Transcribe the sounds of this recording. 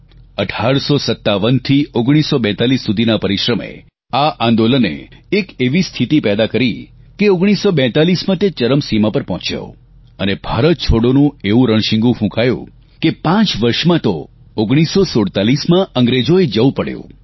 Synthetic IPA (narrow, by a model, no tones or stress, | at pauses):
əʈʰaɾsosət̪ːaʋənt̪ʰioɡɽ̃isːobɛ̃t̪alisːud̪ʱinapəɾiʃɾəmḛ | aʔãnd̪olənḛekeʋist̪ʰit̪ipɛd̪akəɾikeoɡɽ̃isːobɛ̃t̪alismãt̪et͡ʃəɾəmsimãpəɾpɦɔ̃t͡ʃja̰o̰ | ənebʱaɾət̪̚t͡ʃʰoɽonũeʋũɾəɳ̃ʃɪ̃ŋɡũfũkajṵ̃ | kepãt͡ʃʋəɾʃmãt̪o | oɡɽ̃isːosoɽt̪alismãʔəŋɡɾed͡ʒoed͡ʒəũpəɽjõ̰